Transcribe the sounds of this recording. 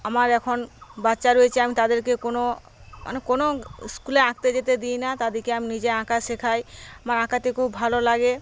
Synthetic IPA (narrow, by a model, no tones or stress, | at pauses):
amaɾɛkʰonbatːʃaɾojet͡ɕʰiamit̪ad̪eɾkekono | mʔa̰nekonoskuleãk̚t̪ed͡ʑet̪ed̪ijnat̪ad̪iɾkeaminid͡ʑeãkaʃekʰajamaɾãkat̪ekʰubbʱalolaɡe